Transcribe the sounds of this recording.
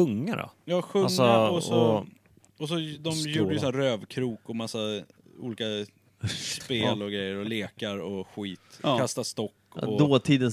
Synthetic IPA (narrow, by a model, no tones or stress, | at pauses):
ɵŋːa̰ɾɔ̰jɑːɧɵŋːsɔaɔsɔ | ɔs̬ɔd̪ɔmjuːɖəjəsɔnɾøːvkʰɾuːkɔmasːa | ṵːliːka | speːlɔɡɾɛjːəɾɔleːkaɾɔɧiːt̪kast̪ast̪ɔkːɔd̪oːt̪ʰiːd̪ən